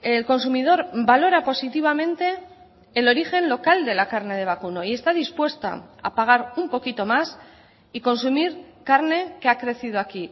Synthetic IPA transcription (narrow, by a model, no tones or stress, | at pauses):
elko̞nsumið̞o̞ɾbalo̞ɾapo̞sit̪iβ̞amẽ̞nt̪e̞ː | lo̞ɾixe̞nlo̞kald̪e̞lakaɾne̞ð̞e̞β̞akuno̞ie̞st̪aðispwe̞st̪a̰a̰paɣ̞aɾumpo̞kit̪o̞mas | iko̞nsumiɾkaɾne̞keakɾe̞θið̞oaki